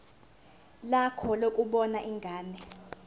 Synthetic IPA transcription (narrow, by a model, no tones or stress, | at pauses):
lakʰɔlokʼuɓɔnaʔiŋɡʱaːnɛ